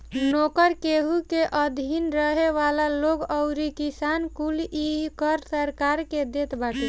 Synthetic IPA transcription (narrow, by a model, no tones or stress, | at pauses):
nokəɾkeɦukeʔəd̪ʱinɾəɦeʋalaloɡəʊɾikisankulikəɾsəɾkaɾked̪et̪baʈi